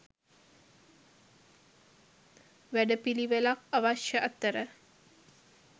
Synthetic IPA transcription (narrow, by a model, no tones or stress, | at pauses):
ʋæɖəpiliʋelakaʋaʃjəʔat̪ːəɾə